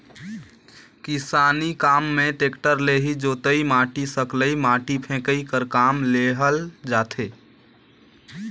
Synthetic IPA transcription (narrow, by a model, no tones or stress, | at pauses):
kisaːnikaːmːẽʈekʈəɾleɦid͡ʒoːt̪əimaːʈisəkləimaːʈipʰẽkəikəɾkaːmleɦəld͡ʒaːt̪ʰe